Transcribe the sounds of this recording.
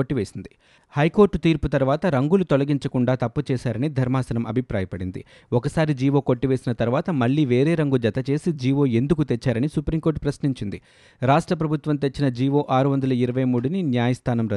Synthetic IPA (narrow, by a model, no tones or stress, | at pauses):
oʈːiʋe̞ːsind̪i | hɐjkoːɾʈt̪iːɾput̪ɐɾuʋaːt̪ɐɾɐŋɡulut̪olɐɡiɲt͡ʃɐkuɳɖaːt̪ɐpːut͡ʃɛːʃaːɾɐnid̪ʱɐɾmaːsɐnɐmʔɐbʱipɾaːjɐpɐɽind̪ḭ | ɔkɐsaːɾid͡ʒiːʋo̞ːko̞ʈːiʋe̞ːsinɐt̪ɐɾuʋaːt̪ɐmɐɭːiːʋe̞ːɾeːɾɐŋɡud͡ʒɐt̪ɐt͡ʃe̞ːsid͡ʒiːʋo̞ːe̞nd̪ukut̪e̞t͡ʃːaːɾɐnisupɾiːŋko̞ːɾʈpɾɐsniɲt͡ʃind̪i | ɾaːʂʈɾɐp̬ɾɐbʱut̪ʋɐmt̪e̞t͡ʃːinɐd͡ʒiːʋo̞ːʔaːɾuʋɐnd̪ɐlɐiɾɐʋɐjmuːɽuninjaːjɐst̪ʰaːnɐmɾɐ